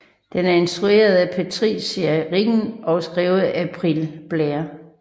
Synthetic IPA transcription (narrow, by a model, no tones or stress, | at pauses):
d̥enæɐe̝nsd̥ʁue̝̰ːɐð̞ˠæpʰæt͡sʰʁḭːsæʁiɡ̥n̩ɒ̽sɡ̥ʁiːʊð̩ˠæpʰʁilb̥leɐ